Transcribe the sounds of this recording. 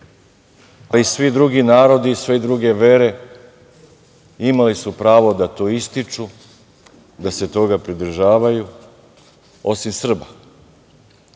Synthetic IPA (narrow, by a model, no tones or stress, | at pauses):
alisʋid̪ɾuɡinaːɾo̞d̪iːsʋed̪ɾuɡe̞ʋe̞ɾe̞ | imalisupɾaːʋo̞d̪at̪o̞ːist̪it͡ʃu | d̪ase̞t̪o̞ɡapɾid̪r̩ʒaːʋaju | o̞simsr̩ba